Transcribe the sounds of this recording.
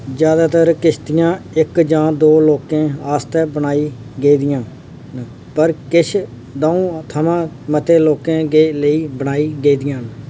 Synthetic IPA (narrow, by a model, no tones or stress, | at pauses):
d͡ʒjaːd̪aːt̪əɾkɪʃʰt̪ɪjãːɪkd͡ʒãːd̪oːloːkẽːaːst̪ɛːbənaːiː | ɡeiːd̪ɪjãː | pəɾkɪʃʰ | d̪aːũːt̪ʰəmãː | mət̪eːloːkẽːɡeːləiːbənaːiːɡeiːd̪ɪjãːn